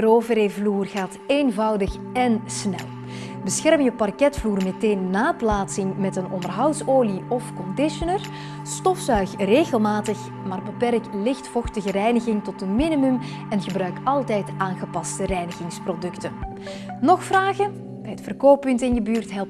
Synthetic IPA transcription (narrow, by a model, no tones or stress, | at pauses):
əroːvəɾevluːrɣaːteːnvɑwdəx | ɛnsnɛ̰lˠ | bəsxɛrmjəpɑrkɛtfluːrmɛteːnːaːplaːtsɪŋmɛtənɔ̰ndərɦɑwtsoːliɔfkɔndɪʃənər | stɔfsœɥxreːɣəlˠmaːtəx | maːrbəpɛrklɪxtfɔxtəɣəɾɛjnəɣɪŋtɔtənminimym | ɛnɣəbrœɥkɑlˠtɛjtʔaːnɣəpɑstərɛjnəɣɪŋsprodɵktən | nɔxfraːɣən | b̥ɛjətfərkoːpːʏntɪnjəbyːrtɦɛlˠ